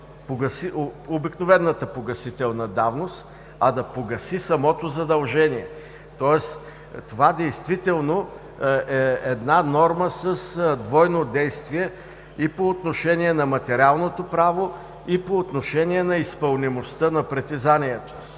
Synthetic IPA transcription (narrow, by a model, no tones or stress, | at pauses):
poɡɐsioobiknovɛnːət̪əpoɡɐsit̪ɛlˠnɐd̪avnost̪ | ɐd̪ɐpoɡɐsisɐmɔt̪ozɐd̪ɐlˠʒɛniɛ | t̪ɔɛs | t̪ovad̪ɛjst̪vit̪ɛlˠno | ɛɛd̪nanɔɾməsəsd̪vɔjnod̪ɛjst̪viɛ | ipoːt̪noʃɛniɛnɐmɐt̪ɛɾʲalˠnot̪opɾavo | ipoːt̪noʃɛniɛnɐispɐlˠnimost̪ənɐpɾɛt̪izaniɛt̪o̥